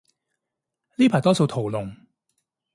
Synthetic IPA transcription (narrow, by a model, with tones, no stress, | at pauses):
liː˥pʰaː˨˩t̪ɔː˥so˧wt̪ʰo˨˩wlʊ˨ŋ